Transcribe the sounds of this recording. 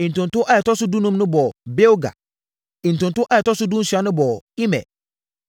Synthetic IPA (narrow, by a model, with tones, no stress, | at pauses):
ĩ˨n˨tʊ̃˨n˨tʊ̃˦ʔa˦ɛ˨tɔ˦sʊ˦du˦nũ˦mnʊ̃˦bɔ˨be˦wɡa̰˨ | ĩ˨n̩˨tʊ̃˨ntʊ̃˦ʔa˦jɛ˨tɔ˦sʊ˦dũ˦n̩˦ɕᶣa˨˦nʊ̃˦bɔ˨i˦mɛ̰˨